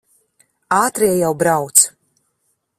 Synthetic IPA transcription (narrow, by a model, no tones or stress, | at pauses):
aːt̪ɾiɛjawbɾawt̪s